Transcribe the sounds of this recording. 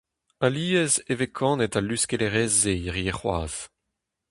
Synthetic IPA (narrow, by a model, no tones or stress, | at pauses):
aliːɛzevekʰɑ̃nɛtalyskeleʁɛːzːeʁieχwa̰ːz̥